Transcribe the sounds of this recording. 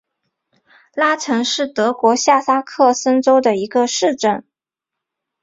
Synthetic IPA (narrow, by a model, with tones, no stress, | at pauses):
la˥ʈ͡ʂʰɤ˧˥ŋʂɻ̩˥˩t̪ɤ˧˥kwɔ˧˥ɕja˥˩sa˥kʰɤ˥˩sə˥nʈ͡ʂo˥ʊd̪ə˨i˧˥ɡə˧ʂɻ̩˥˧ʈ͡ʂə˥˩n